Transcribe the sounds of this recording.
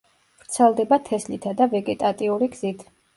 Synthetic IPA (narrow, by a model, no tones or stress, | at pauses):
v̥ɾt̪sʰɛlˠd̪ɛbat̪ʰɛslit̪ʰad̪avɛɡɛt̪ʼat̪ʼiuɾiɡz̥it̪ʰ